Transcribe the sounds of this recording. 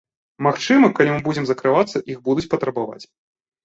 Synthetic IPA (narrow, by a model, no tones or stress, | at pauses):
maxt͡ʂɨmɐkalʲimɨbud͡zʲɛmzɐkɾɨvat̪sːɐʔiɣbud̪ut͡sʲpɐt̪ɾɐbava̰t͡sʲ